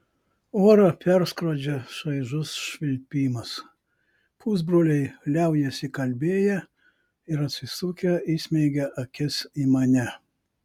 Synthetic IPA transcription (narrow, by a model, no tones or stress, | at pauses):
oːɾɐpʲɛɾskɾoːd͡ʒʲɛʃɐɪʒʊsʃʲʋʲɪlʲpʲiːmɐs | pʰuːzbɾoːlʲɛɪlʲɛˑʊjɛsʲɪkɐlʲbʲeːjɛ | ɪɾɐt̪ʲsʲɪsʊkʲɛɪsʲmʲɛɪɡʲɛʔɐkʲɪsiːmɐnʲɛ